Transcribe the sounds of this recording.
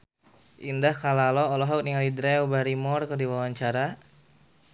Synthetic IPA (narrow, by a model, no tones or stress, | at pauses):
ʔindahkalalɔːlɔɦɔk̚niŋalidɾɛubaɾimɔrkərdiwawaɲt͡ʃaɾa